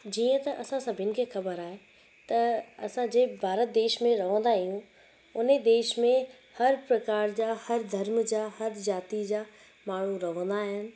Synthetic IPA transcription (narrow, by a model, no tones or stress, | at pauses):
d͡ʑiːə̃t̪ɐʔɐsãsɐbʱɪnɪ̆kʰeːxɐbəɾaːɦe | t̪ɐɐsãd͡ʑeːbʱaːɾət̪̚d̪eːʃmẽɾɐʋ̤ə̃nd̪aɪiɦũ | ʊn̤ed̪eːʃmẽ | hɐɾpɾɐkaːɾd͡ʑaːhɐɾd̪ʱɐɾmd͡ʑaːhɐɾzaːt̪id͡ʑaː | maːɳ̤ũɾɐʋə̃n̆d̪aːɦɪnɪ̆